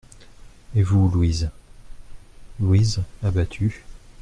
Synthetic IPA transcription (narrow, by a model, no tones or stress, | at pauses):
evulwiz | lwizabat̪ʰy